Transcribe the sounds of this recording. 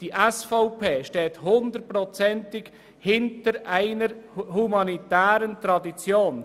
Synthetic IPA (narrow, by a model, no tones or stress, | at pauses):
d̥iʔɛsfɔʊpʰeːʃtɛːthʊndərt̚prɔt͡sɛntɪk | hɪntəɾæɪnəɾhumɑnitæːɾəntɾɑdit͡sjoːn